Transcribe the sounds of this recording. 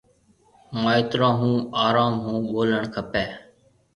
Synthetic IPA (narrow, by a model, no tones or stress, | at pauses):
maːɪt̪ɾãːɦũːaːɾaːmɦũːɓoːləɳkʰəpɛː